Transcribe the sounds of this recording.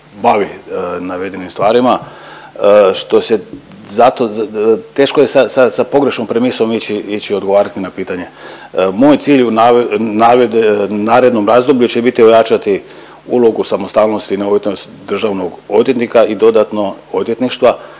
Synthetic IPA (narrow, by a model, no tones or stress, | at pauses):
baʋinaʋe̞d̪enimst̪ʋaːɾima | ʃt̪o̞se̞ | zat̪o̞t̪e̞ːʃko̞jesasasapo̞ɡɾe̞ʃno̞mpɾemiso̞mit͡ɕiit͡ɕio̞d̪ɡo̞ʋaːɾat̪inapiːt̪aɲe̞ | moːjt̪siːʎunanaʋed̪enaːɾe̞d̪no̞mɾaːzd̪o̞blʎut͡ɕe̞bit̪io̞jat͡ʃat̪i | ṵlˠo̞ɡusamost̪aːlno̞st̪ineoʋit̪nost̪d̪r̩ʒaʋno̞ɡo̞d̪jet̪nikaid̪o̞d̪at̪no̞od̪jet̪niʃt̪ʋa